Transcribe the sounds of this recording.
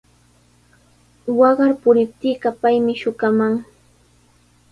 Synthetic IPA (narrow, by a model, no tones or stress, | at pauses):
wɑɢɑɾpʊɾɪp̚t̪iːɢɑpajmɪʃʊkamaŋ